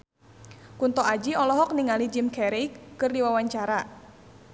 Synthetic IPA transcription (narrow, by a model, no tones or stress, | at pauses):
kunt̪ɔad͡ʒiɔlɔɦɔk̚niŋalid͡ʒɪmkɛɾijkːɨrdiwawaɲt͡ʃaɾa